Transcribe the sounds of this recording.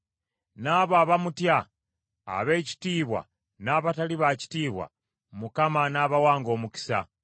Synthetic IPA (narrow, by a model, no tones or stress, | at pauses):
naːβoaβamutja̰ː | βe̞ːci̥tiːβwa̰ | naːβataliβaci̥tiːβwa̰ | mukamanaːβawaːŋɡo̞ːmuki̥sa̰